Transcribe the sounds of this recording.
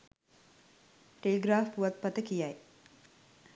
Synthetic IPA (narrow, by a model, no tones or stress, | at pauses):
ʈeleɡɾaːfpuʋat̪̚pat̪əkijaj